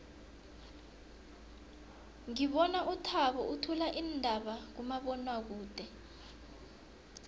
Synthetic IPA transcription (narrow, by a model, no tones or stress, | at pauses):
ŋiɓɔnaʔutʰaɓɔʔutʰulaʔindʱaɓak̬umaɓɔnwak̬uːd̥ʱɛ